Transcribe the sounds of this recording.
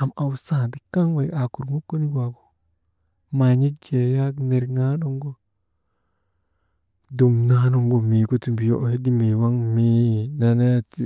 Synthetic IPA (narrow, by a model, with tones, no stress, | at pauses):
a˨ma˨wsa˨di˨ka˦ŋwa˨ja˨ku˨ɾmo˦kːo˦ni˦ɡwa˨ɡo̥˨ | ma˨ɲi˦kd͡ʒe˨ja˦kne˨ɾŋa˦no˦ŋɡo˦ | du˨mna˦no˦ŋɡo˨mi˨ku˦ti˨bi˨jo˦ʔhe˦di˦mi˨wa˦ŋmi˦na˨ne˦t